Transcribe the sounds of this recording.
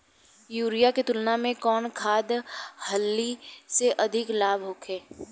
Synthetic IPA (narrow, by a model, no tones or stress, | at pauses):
juːɾijaket̪ʊlnamẽkɔːnkʰaːd̪hɐlːiseʔɐd̪ʱɪklaːbʱɦoːkʰeː